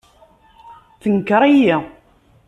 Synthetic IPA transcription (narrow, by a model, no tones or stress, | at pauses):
θəŋkɾˤaji